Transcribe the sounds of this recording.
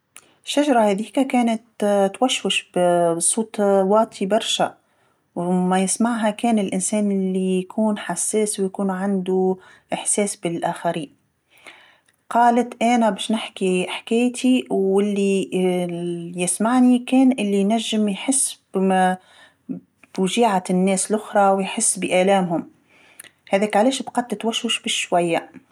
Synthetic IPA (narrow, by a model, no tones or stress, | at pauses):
ʃːaʒɑɾˤɑhæːðiːkakæːnɪt̪t̪waʃwɪʃbsˤuːt̪wɑːt̪ʰibɑɾˤʃa | wmajɪsmaʕɦakɛːnɪlʔɪnsɛːnʔlːijjkʰuːnħasːeːswjkuːnʕand̪u | ʔɪħseːsbɪlʔaːxaɾiːn | qɑːlɪt̪ʔæːnæbɛːʃnɪħkiħkæːjt̪ʰiwɪlːi | jɪsmaʕnikɛːnʔɪlːinæʒːɪmjħɪsːbmæ | b̥ʒiːʕat̪ɪnːɛːslʔʊxɾˤɑwjħɪsːbɪʔæːlɛːmhʊm | hæðɛːkʕalɛːʃbqɑd̪̚t̪ɪt̪waʃwʊʃbɪʃʃwæjːa